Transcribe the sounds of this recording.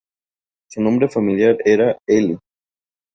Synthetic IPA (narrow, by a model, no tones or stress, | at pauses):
sunõmbɾefamiljaɾeɾaeli